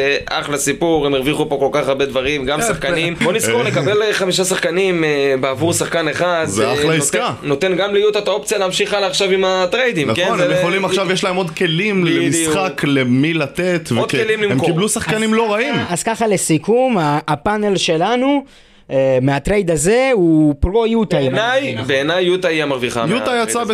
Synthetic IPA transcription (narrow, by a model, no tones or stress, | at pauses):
ʔa̰χlasipuʁemeʁviχupo̞ko̞lkaχaʁbed̪vaʁimɡamsaχkanimboniskoʁlekabelχamiʃasaχkanimbeavuʁsaχkaneχad̪zeaχlaiskano̞t̪enɡamlijut̪et̪aop̚t͡sjaleːamʃiχalːχʃavimat̪ʁejd̪imnakonemjeχolimaχʃavjeʃlaemo̞d̪ke̞limlemisχaklemilat̪et̪ved̪kelimlimemkiblusaχkanimlo̞ʁaimazkaχale̞sikumaːpane̞lʃe̞lanu | meat̪ʁejd̪aze̞upʁo̞jut̪ajnajbeːnajːut̪aiamaʁviχajutajat͡sabe